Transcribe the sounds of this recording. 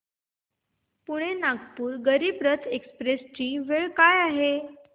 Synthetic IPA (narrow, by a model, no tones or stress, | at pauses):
puɽ̃enaɡpuːɾɡəɾiːbɾət̪ʰekspɾest͡ɕiːʋeɭkajaɦe